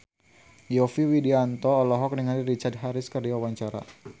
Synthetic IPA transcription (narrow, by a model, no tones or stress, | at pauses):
jɔfiwidiant̪ɔːlɔɦɔk̚dəŋaniɾit͡ʃard̚ɦaɾɪskərdiwawaɲt͡ʃaɾa̰